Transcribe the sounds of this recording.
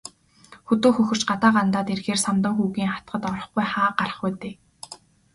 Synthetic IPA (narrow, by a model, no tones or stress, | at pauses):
xɵt̪oːxɵxɵ̆r̥t͡ɕɢat̪aːɢant̪aːt̪erxeːrsamt̪ə̆ŋxuːɣiːŋχat̪̚ɢə̆t̪ɔɾɞ̆χɡujχaːɢarə̥̆χujt̪eː